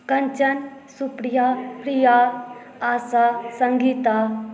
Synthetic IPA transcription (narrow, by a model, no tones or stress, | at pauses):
kɐnt͡ʃɐnsupɾijapɾija | aːsasɐ̃ŋɡit̪a